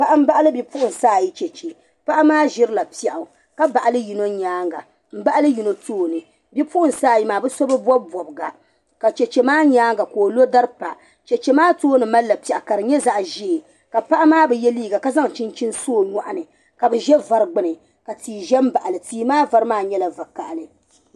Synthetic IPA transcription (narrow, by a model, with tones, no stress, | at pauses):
pa˨ʔa˦m̩˦ba˦ʔa˦lɨ˦bi˦pu˦ʔʊ˨n̩˨saː˦˨ji˦t͡ʃɛ˨t͡ʃe˨ | pa˦ʔa˦maː˦ʒɪ˦ɾɨ˦la˨pi˦a˨ʔʊ˨ | ka˦ba˨ʔa˨lɨ˦ji˨no˦ɲaː˦ŋɡa̰˨ | m̩˦ba˦ʔa˦lɨ˦ji˨no˦toː˦nɨ˨ | bi˦pu˦ʔʊ˨n˨saː˦˨ji˦maː˨bɛ˦so˦bɨ˦bɔ˦bɔ˨bɨ˨ɡa˨ | ka˨t͡ʃɛ˨t͡ʃe˨maː˦ɲaː˦ŋɡa˨koː˨lo˦da˦ɾpa˨ | t͡ʃɛ˨t͡ʃɛ˦maː˦toː˦nɨ˨ma˦lːa˨pi˨a˨ʔa˨ka˨ɾɨ˨ɲɛ˦za˨ʔʒe˦˨ | ka˨pa˦ʔa˦maː˦bɛ˨jɛ˦liː˦ɡa˨ka˦za˦ŋ˨t͡ʃi˦nt͡ʃi˦nsoː˦˨ɲa˨ʔa˦nɨ˨ | ka˨bɨ˨ʒɛ˦va˨˦ɾɨ˦ɡ͡bɨ˦nɨ˨ | ka˨tiː˨ʒɛ˦m˦ba˨ʔa˨lɨ˨tiː˦maː˦va˨ɾɨ˦maː˦ɲɛ˦la˨va˨ka̰˨ʔlɨ˨